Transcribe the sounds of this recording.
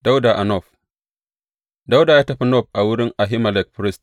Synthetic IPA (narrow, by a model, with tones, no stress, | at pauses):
d̥a˦wda˨ʔa˨nɔ˦˨ɸ | da˦wda˨jaː˦tɐ˦ɸa˦nɔ˦˨ɸʔa˨wʊ˦ɾɪ˦ŋʔa˨ɦi˦ma˨lɛ˨k̚pɾi˦st